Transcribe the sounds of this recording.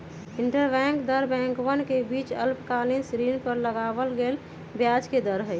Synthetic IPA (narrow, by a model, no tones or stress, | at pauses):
iɳʈəɾbɛ̃ŋkd̪əɾbɛ̃ŋkʋənkebit͡ʃə̰lpkalinsɾinpəɾləɡabəlɡel | bjad͡ʒked̪əɾɦə